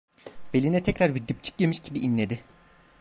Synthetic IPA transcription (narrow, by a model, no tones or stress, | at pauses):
b̥elʲinɛt̪ʰɛcɾaɾbid̪ːip̚t͡ʃʰɯ̥c̚jemiʃɟibiʔinlʲe̞d̪ɪ